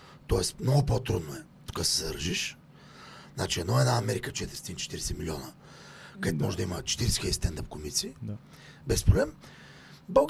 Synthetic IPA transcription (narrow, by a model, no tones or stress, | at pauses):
t̪ɔɛsmnoɡʊpot̪ɾud̪noɛ | t̪u̥kasɛzd̪əɾʒiʃ | nat͡ʃiɛd̪nɔɛd̪naɐmɛɾikət͡ʃɛt̪ɾist̪int͡ʃɛ̥t̪iɾɛsɛmilʲiɔnə | kəɛt̪ʊmɔʒɛd̪imət͡ʃɛ̥t̪iɾɛsɛ̥xɛd̪ist̪ɛnd̪əp̚komit̪si | bɛspɾoblɛm | bəɡ